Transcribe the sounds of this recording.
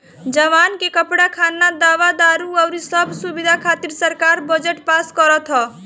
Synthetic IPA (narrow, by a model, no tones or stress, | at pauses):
d͡ʒəʋankekəpɽakʰanːad̪aʋad̪aɾuɔʊɾisəbʱsubid̪ʱakʰat̪iɾsəɾkaɾbəd͡ʒeʈpaskɔɾət̪ɦɔ